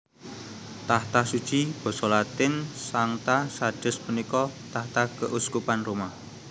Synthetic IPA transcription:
t̪aht̪asud̥ʒ̥ib̥ɔ̤sɔlat̪ɪnsaŋt̪asad̥ə̤spənikɔt̪aht̪akəʔuskupanrumah

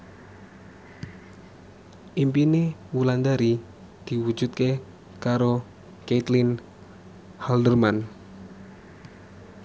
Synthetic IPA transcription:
ʔimpinewuland̪aɾi | d̪̥i̤wu̥d͡ʒ̥ut̪̚ke | kaɾo | ket̪lin | hald̪ərman

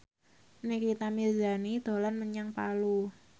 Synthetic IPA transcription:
nɪkit̪amird͡ʒa̤nid̪̥o̤lanməɲaŋpalu

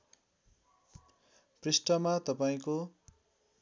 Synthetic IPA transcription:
prisʈʌmat̪ʌpaĩko

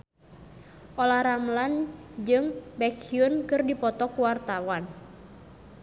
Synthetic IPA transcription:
ʔɔlahɾamland͡ʒɨŋbɛkiunkɨrdipɔt̪ɔkuwart̪awan

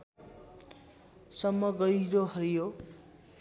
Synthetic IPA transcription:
sʌmːʌɡʌjɾoɦʌɾijo

